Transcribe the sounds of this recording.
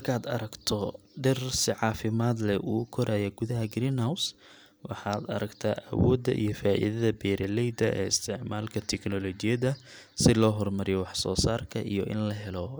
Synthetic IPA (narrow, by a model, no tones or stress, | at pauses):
mɐrkʰaːd̪ɐ̰ɾɐɡt̪ʰɔɖɪrsɪʕɑːfɪmaːd̪lɛʔuːkʰɔɾaːjɛɡʊðɐɦɐɡɾiːnhaws | wɑħɑːd̪ɐ̰ɾɐɡt̪ʰaːʔɐwɔːd̪ːɐ̰ʔḭjɔfaːʔḭðɐðɐbɛːɾɐlɛjd̪ɐʔɛ̰ːɪ̰st̪ʰɪʕmaːlkʰɐt̪ʰɛknɔlɔt͡ʃɪjɐðɐsɪlɔːɦɔrmɐɾɪjɔwɑħsɔːsaːrkʰɐʔḭjɔʔɪ̰nlɐɦɛlɔ